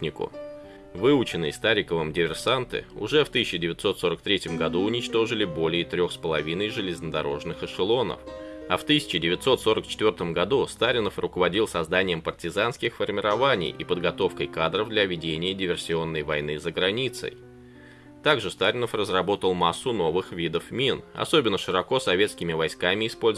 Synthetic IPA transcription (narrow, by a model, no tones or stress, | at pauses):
nʲɪkʊ̰ | vɨʊt͡ɕɪnːɨjəst̪aɾʲɪkəvəmdʲɪvʲɪrsant̪ɨ̰ʊ̰ʐɛft̪ɨsʲɪt͡ɕːɪdʲɪvʲɪt̪so̞t̪so̞ɾək̚t̪ɾʲetʲɪmɡɐd̪uʊnʲɪt͡ɕt̪o̞ʐɨlʲɪbo̞lʲɪjət̪ɾʲo̞xspəlˠɐvʲinəjʐɨlʲɪznəd̪ɐɾo̞ʐnɨxɨʂɨlˠo̞nə̰fɐft̪ɨsʲɪ̥t͡ɕɪdʲɪvʲɪt̪so̞t̪so̞ɾəkt͡ɕɪt̪vʲo̞rt̪əmɡɐd̪ust̪aɾʲɪnəfrʊkəvɐdʲilˠsɐzd̪anʲɪjəmpərtʲɪzanskʲɪxfərmʲɪɾɐvanʲɪ̰jʔɪpəd̪ɡɐt̪o̞fkəjkad̪ɾəvd̪lʲɐvʲɪdʲenʲɪjədʲɪvʲɪrsʲɪo̞nːəjvɐjnɨzəɡɾɐnʲit̪sə̰j | t̪aɡʐɨst̪aɾʲɪnəfrəzrɐbo̞t̪əlˠmasːʊno̞vɨxvʲid̪əfmʲinɐ̰so̞bʲɪnːəʂɨɾɐko̞sɐvʲe̞t̪skʲɪmʲɪvɐjskamʲɪɪspo̞lʲ